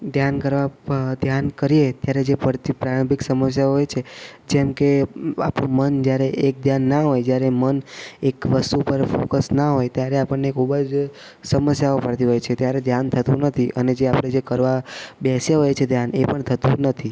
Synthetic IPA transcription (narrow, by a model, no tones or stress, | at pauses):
d̪ʱjankəɾʋad̪ʱjankəɾiet̪jaɾed͡ʒepəɾt̪ipɾaɾə̃mbʱiksəməsjaoɦojt͡ʃʰed͡ʒɛmkea̰pnumənd͡ʒjaɾeʔek̚d̪ʱjanːaɦojd͡ʒjaɾemənekʋəst̪upəɾfokəsnaɦojt̪jaɾeapəɳnekʰubəd͡ʒ | səməsjaopəɽt̪iɦojt͡ʃʰet̪jaɾed̪ʱjant̪ʰət̪ũnət̪ʰiʔəned͡ʒeapɽ̃ed͡ʒekəɾʋabɛsjəɦojt͡ʃʰed̪ʱjanepəɳt̪ʰət̪ũnət̪ʰi